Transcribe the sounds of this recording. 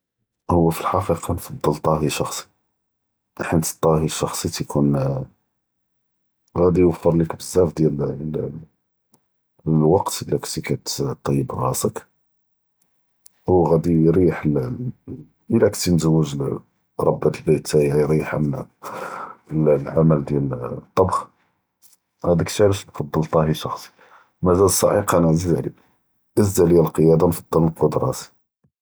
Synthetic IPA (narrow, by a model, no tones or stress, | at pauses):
hʊwːæfilħɑfəqɑnfɑd̪ˤːəlt̪ˤɑɦiʃɑxsˤi̥ | ħənt̪ə̥t̪ˤːɑɦiʃɑxsˤit̪kʰun | ɣæd̪ijwəfːəɾˤlikbəzːæfd̪jæll | lwɑqt̪əlækt̪ikæt̪t̪ˤːɑjːəbrɑsək | wɣæd̪ijɾiħl | ʔəlækt̪inzəwːəʒ | ɾˤɑbːæt̪əlbət̪ːæjæjɾiħam | llʕamæld̪jælt̪ˤːɑbx | hæd̪əkt̪æləʃnfɑd̪ˤːəlt̪ˤɑhiʃɑxsˤi̥ | mæzælsˤːɑ̰ʔiqænəʕzizʕlḭ | ʔəzd̪æljælqəjæd̪ɑnfɑd̪ˤːələlqod̪ɾˤɑsi̥